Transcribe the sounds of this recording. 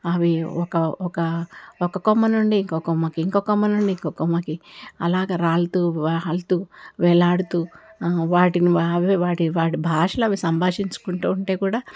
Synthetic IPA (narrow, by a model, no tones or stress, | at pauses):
ɐʋiɔkɐɔkɐɔkɐkɔmːɐnuɳɖiːŋkɔkɔmːɐkiːŋkɔkɔmːɐnuɳɖiŋkoːkɔmːɐkiɐlaːɡaːɾaːlt̪uːlt̪uːʋɛlaːɽut̪uːʋaːʈiniʋiʋaːʈiʋaːʈibʱaːʂɐlɐɐʋisɐmbʱaːʂiɲt͡ʃu̥kuɳʈuːuɳʈe̞ːkuːɽaː